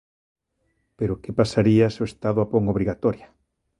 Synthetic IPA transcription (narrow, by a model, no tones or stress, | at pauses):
peɾokepasaɾiasoest̪aðʊapoŋoβ̞ɾiɣat̪oɾja